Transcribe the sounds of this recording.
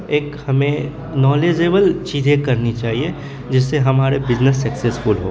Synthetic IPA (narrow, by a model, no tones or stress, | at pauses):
eːkhɐmẽ | nɔːleːd͡ʒeːbəlt͡ʃiːzẽkɐɾnit͡ʃaːɦie | d͡ʒɪsːeɦɐmaːɾebɪznəsːɐkseskuːlɦo̰ː